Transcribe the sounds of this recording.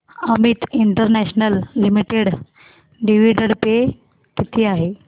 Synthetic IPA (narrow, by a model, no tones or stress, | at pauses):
əmit̪iɳʈəɾnɛɕnəlːimiʈeɽ | ɖiʋiɖəɽpe | kit̪ʰiːaɦe